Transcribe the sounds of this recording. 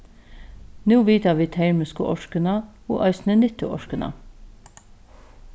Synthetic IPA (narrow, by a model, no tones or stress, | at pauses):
nuːʋiːt̪ɑʋiːt̪ʰæɹməskə̰ʔɔʃkənɑo̰ːʔɑʏsnənɪt̪ə̰ʔɔ̰ʃkənɑ̰